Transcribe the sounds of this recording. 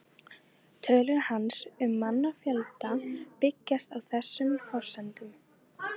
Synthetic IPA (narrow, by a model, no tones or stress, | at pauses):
t̪ʰœːlʏɾhansʏmːanːafjɛlt̪apɪcːast̪awθɛsːʏmfɔr̥sɛnt̪ʏm